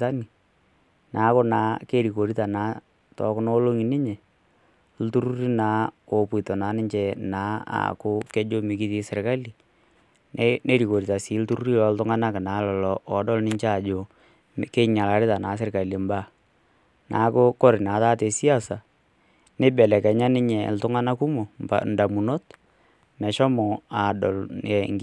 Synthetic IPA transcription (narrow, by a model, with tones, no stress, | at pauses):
a˦ni˨ | naː˨˦kʊ˦naː˨˦ke˦ɾi˨ko˨ɾi˦ta˨naː˨˦ | tɔ̰˨˦kʊ˦no˦lo˦ŋi˨nɪ˦ɲɛ˨ | l̩˦tu˦ɾu˦ɾi˦naː˨˦o˨pʊ˨ɪ˨tɔ˨na˨˦nɪ˦ɲt͡ʃɛ˦naː˨˦a̰˨kʊ˦kɛ˦d͡ʒo˦mɪ˨kɪ˦ðɪ˦sɪ˨ɾka˦li˨ | n˦ne˦ɾi˨ko˨ɾi˨ta˨sɪ˨˦ltu˦ɾu˦ɾi˦lɔ˨ltʊ˦ŋa˦na˦kɪ˨naː˨˦lɔ˨lɔ˨ʔɔ˨dɔ˦lnɪ˦ɲt͡ʃa˦˨d͡ʒo˨ | ke˦ɲa˨la˨ɾɪ˦ta˨na˨˦s̬ɪ˦rka˨li˨mba˦ | nʔaː˨˦kʊ˦kɔ˦ɾɪ˨naː˨˦taː˦te˨si˦a˦sa˨ | nɪ˦bɛ˨lɛ˨kɛ˨ɲa˦nɪ˦ɲɛ˨ltʊ˦ŋa˦na˦ku˦mo˨mba̰˨nda˨mu˨no˦t | mɛ˨ʃɔ˦mɔ˨a˨dɔ˨ljɛ˨ŋ